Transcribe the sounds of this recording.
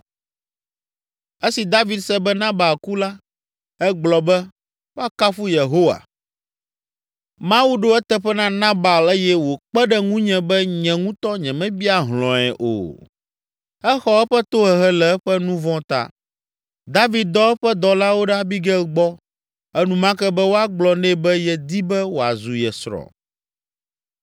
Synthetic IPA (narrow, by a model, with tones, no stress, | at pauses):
ɛ˦si˨d̪a˦vi˨d̪sɛ˦bɛ˦nã˦ba˨lku˦la˦ | ɛ˦ɡ͡blɔ˨bɛ˦ | wo˦a˦ka˦fu˦je˨ɦo˦wa̰˨ | mã˦wu˦ɖo˦ɛ˦t̪ɛ˦˨ɸɛ˦nã˦nã˦ba˨le˦jɛ˦wo˨k͡pɛ˦ɖɛ˦ŋũ˦ɲɛ̃˨bɛ˦ɲɛ̃˨ŋũ˦t̪ɔ˦ɲɛ̃˨mɛ̃˦bi˦a˦˨ɦlɔ̃˨ɛ̰˨ʔo̰˨ | ɛ˦xɔ˦ɛ˦ɸɛ˦t̪o˦ɦɛ˨ɦɛ˦lɛ˨ɛ˦ɸɛ˦nũ˦vɔ̃˦t̪a̰˦ | d̪a˦vi˨d̪̚d̪ɔ˦ɛ˦ɸɛ˦d̪ɔ˨la˦wo˦ɖa˦bi˦ɡɛ˦˨ɡ͡bɔ˦ | ɛ˦nũ˨mã˦kɛ˦bɛ˦wo˦a˦ɡ͡blɔ˨nɛ̃˦˨bɛ˦jɛ˦d̪i˦bɛ˦wo˨a̰˨zu˨jɛ˨sɾɔ̰˨